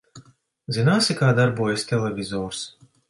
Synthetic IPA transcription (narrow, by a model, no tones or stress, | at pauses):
zɨnaːsʲɪkaːd̪aɾbuɔjɛsʲt̪ʲɛlʲɛvʲizɔːɾs